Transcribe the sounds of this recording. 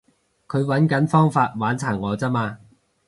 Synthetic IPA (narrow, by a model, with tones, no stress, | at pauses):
kʰɵ˨˧ɥwɐ˨˥nkɐ˨˥nfɔː˥ŋfaː˧t̚waː˨˥nt͡sʰaː˨˩ŋŋɔː˨˧t͡sɐ˥maː˧